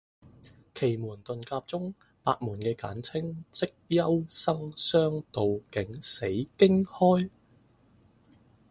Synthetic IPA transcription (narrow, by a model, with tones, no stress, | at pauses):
kʰe˨˩jmuː˨˩nt̪ɵ˨nkaː˧p̚t͡sʊ˥ŋ | paː˧t̚muː˨˩nkɛː˧ka̰ː˨˥nt͡sʰɪ˥ŋt͡sɪ˥k̚jɐ˥wsɐ˥ŋsœː˥ŋt̪o˨wkɪ˨˥ŋse˨˥jkɪ˥ŋhɔː˥j